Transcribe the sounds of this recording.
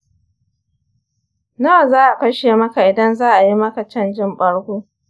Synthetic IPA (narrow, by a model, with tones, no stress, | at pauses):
nɐ˦wa˨zaː˦ʔa˨kɐ˦ʃe˨mɐ˦ka˨ʔɪ˨dɐ˦nzaː˦ʔa˨ji˦mɐ˦ka˨t͡ʃɐ˦˨nd͡ʒɪ˦mɓɐ˦ɽkʷoː˦